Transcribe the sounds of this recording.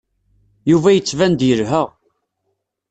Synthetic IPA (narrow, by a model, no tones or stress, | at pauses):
juvæjət͡sːvænd̪jəɾɦəʁ